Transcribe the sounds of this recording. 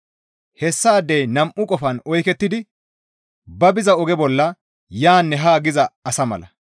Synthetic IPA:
hɛsːaːd̪ejnɐmʔʊkʼɔfɐnɔjkɛt̪ːɪd̪ɪ | bɐbɪzɐɔɡɛbɔlːɐ | jaːnːɛɦaːɡɪzɐɐsɐmɐ̰lɐ

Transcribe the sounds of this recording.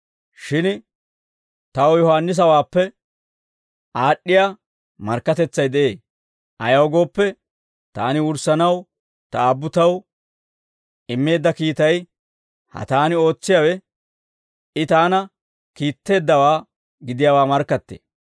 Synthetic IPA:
ʃɪn | t̪ɐwjɔhaːnːɪs̬ɐwaːpːɛ | ʔaːɗːɪja | mɐɾkːɐt̪ɛt͡sːɐjd̪ɛʔe̞ː | ʔɐjɐwɡo̞ːpːɛ | t̪aːnɪʊɾsɐnɐw | t̪ɐaːbːʊt̪ɐw | ɪmːe̞ːd̪ːɐkiːt̪ɐj | hɐ̰t̪aːnɪo̞ːt͡sːɪjawɛ | ɪt̪aːnɐ | kiːt̪ːe̞ːd̪ːɐwaː | ɡɪd̪ɪjaːwaːmɐɾkːɐt̪ːḛː

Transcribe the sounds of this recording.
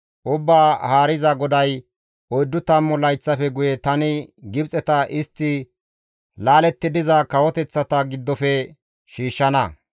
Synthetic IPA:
ʔʊbːaːhaːɾɪzɐɡɔd̪ɐj | ɔjd̪ːʊt̪ɐmːɔlɐjt͡sːɐfɛɡʊjɛt̪ɐnɪɡɪbt͡sʼɛt̪ɐʔɪst̪ːɪ | laːlɛt̪ːɪd̪ɪzɐkɐwɔt̪ɛt͡sːɐt̪ɐɡɪd̪ːɔfɛ | ʃiːʃːɐnɐ

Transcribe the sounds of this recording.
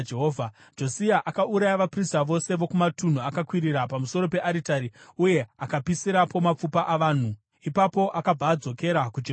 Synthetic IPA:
d͡ʒeɦoːvʱa | d͡ʒo̞siaʔakauɾajaʋapristaʋo̞se̞ʋo̞kumatun̤uakakwiɾirapamuso̞ɾo̞pe̞ʔaɾitaɾiuje̞akapisiɾapo̞map͡fupaʔaʋaːn̤u | ipapo̞ʔakab͡vaːd͡zo̞ke̞ɾakud͡ʒe

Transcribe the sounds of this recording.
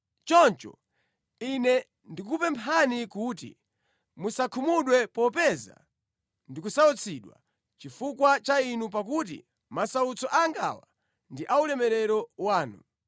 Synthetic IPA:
t͡ʃɔnt͡ʃɔ̰ | inɛ | ndikupɛmpʰanikutḭ | musakʰumuɗwɛpɔpɛza̰ | ndikusaɔt͡sʰiɗwa̰ | t͡ʃifukwat͡ʃainup̬ak̬utḭ | masaut͡sɔʔaŋɡa̰wa̰ | ndiʔaulɛmɛɾɛɾɔwaːnṵ

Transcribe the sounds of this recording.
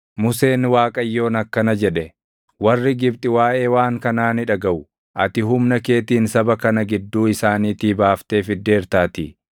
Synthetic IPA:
mʊse̞ːnwaːkʼɐjːo̞ːnɐkːɐnɐd͡ʒɛᶑɛ | wɐrːɪɡɪbt̪ʼɪwaːʔe̞ːwaːŋkɐnaːnɪᶑɐɡɐʔʊ | ʔɐt̪ɪɦʊmnɐke̞ːt̪iːnsɐbɐkɐnɐɡɪd̪ːuːɪsaːniːt̪iːbaːft̪e̞ːfɪd̪ːe̞ːɾt̪aːt̪ɪ

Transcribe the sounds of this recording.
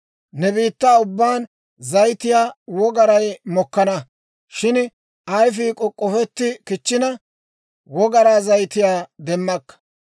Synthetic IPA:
nɛbiːt̪ːaːʊbːaːn | zɐjt̪ɪjaːwɔɡɐɾɐjmɔkːɐnɐ | ʃɪn | ɐjf̬iːkʼɔkʼːɔfɛt̪ːɪkɪt͡ʃːɪnɐ | wɔɡɐɾaːzɐjt̪ɪjaːd̪ɛmːɐkːɐ̥

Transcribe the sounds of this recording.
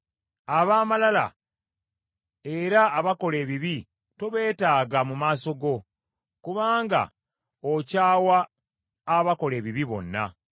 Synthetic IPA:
aβaːmalala̰ | e̞ɾaːβako̞le̞ːβiβi | toβe̞ːtaːɡamumaːso̞ɡo̞ | kuβaːŋɡa̰ | ocaːwaː | βako̞le̞ːβiβiβo̞̰nːa̰

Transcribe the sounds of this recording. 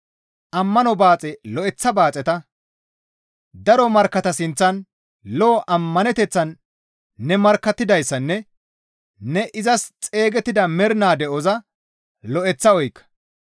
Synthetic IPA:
ʔɐmːɐnɔbaːt͡sʼɛlɔʔɛt͡sːɐbaːt͡sʼɛt̪ɐ | d̪ɐɾɔmɐɾkːɐt̪ɐsɪnt͡sːɐn | loːʔɐmːɐnɛt̪ɛt͡sːɐnː | ɛmɐɾkːɐt̪ːɪd̪ɐjsːɐnːɛ | nɛʔɪzɐst͡sʼe̞ːɡɛt̪ːɪd̪ɐmɛɾnaːd̪ɛɔzɐ | lɔʔɛt͡sːɐɔjkːɐ̥

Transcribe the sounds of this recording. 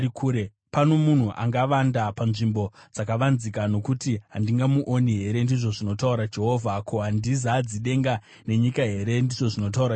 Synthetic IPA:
ikʰuːɾe | pano̞mun̤uʔa̰ŋɡaʋandapanʐimbo̞d͡zakaʋanzikano̞kutiɦandiŋɡamuʔoniɦe̞ɾe̞ndiʐo̞ʐino̞tauɾad͡ʒe̞ɦo̞ːvʱakʰoɦandizad͡ziɗe̞ŋɡa | ne̞ɲikaɦe̞ɾe̞ndiʐo̞ʐino̞t̬auɾa

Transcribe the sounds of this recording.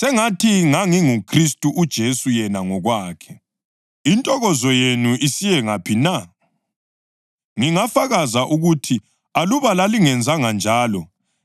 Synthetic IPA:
sɛŋatʰiŋaŋiŋukʰristʼuʔud̥ʒ̥ʱesujɛnaŋɔɣwaːkʰɛ | intʼɔɣɔzɔjenuʔisijɛŋapʰina | ŋiŋafaɣazaʔuɣutʰi | aluβalaliŋɛnd͡zʱaŋand͡ʒʱaːlɔ

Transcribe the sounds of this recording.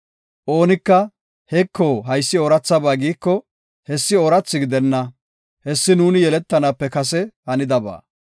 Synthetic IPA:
ʔo̞ːnɪkːɐ | hɛkʰːoːɦɐjsːɪoːɾɐt͡sːɐbaːɡiːkːɔ | hɛsːɪoːɾɐt͡sːɪɡɪd̪ɛnːɐ | hɛsːɪnuːnɪjɛlɛt̪ːɐnaːpːɛkɐs̬ɛhɐnɪd̪ɐba̰ː

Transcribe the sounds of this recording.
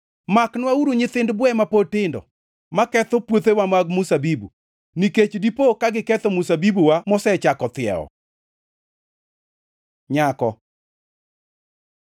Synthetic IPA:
maknwauɾuɲɪt̪ɪndbwɛmapotɪndɔ̰ | makɛt̪opwot̪ewamaɡmusabibṵ | niket͡ʃdipokaɡɪkɛt̪omusabibuwamɔsɛt͡ʃakɔt̪ɪɛ̰ɔ̰ | ɲakɔ

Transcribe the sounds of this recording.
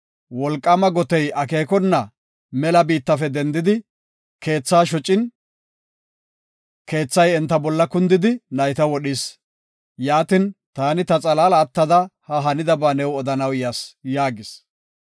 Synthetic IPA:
wɔlkʼːɐmɐɡɔt̪ɛjɐke̞ːkɔnːɐ | mɛlɐbiːt̪ːɐfɛd̪ɛnd̪ɪd̪ɪ | ke̞ːt͡sːaːʃɔt͡ʃʼːɪn | ke̞ːt͡sːɐjɛnt̪ːɐbɔlːɐkʊnd̪ɪd̪ɪnɐjt̪ɐwɔɗɪs | jaːt̪ɪnt̪aːnɪt̪ɐt͡sʼɐlaːlɐːt̪ːɐd̪ɐhɐɦɐnɪd̪ɐbaːnɛwɔd̪ɐnɐwjasjaːɡɪs

